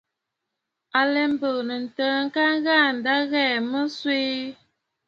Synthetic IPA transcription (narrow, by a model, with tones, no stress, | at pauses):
a˨lɛ˨m̩˦bə˨nə˨n̩˨tə˦ŋ̩˦ka˦ŋ˦ɣa˦˨n̩˨da˦ɣɛː˦˨mə˦swe˦